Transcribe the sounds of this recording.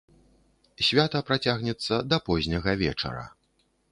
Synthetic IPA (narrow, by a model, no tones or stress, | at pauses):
sʲvʲat̪ɐpɾat͡sʲaɣnʲɛt̪sːɐd̪ɐpɔzʲnʲɐɣɐvʲɛ̰t͡ʂɐ̰ɾɐ̰